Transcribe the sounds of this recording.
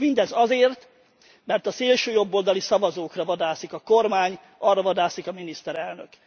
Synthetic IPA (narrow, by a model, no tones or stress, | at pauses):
mind̪ɛzɒzeːrt̪ | mɛrt̪ɒseːlʃøːjo̞bːold̪ɒlisɒvɒzoːkrɒvɒd̪aːsikɒkormaːɲ | ʔɒrːɒvɒd̪aːsikɒminist̪ɛɾɛlnø̰k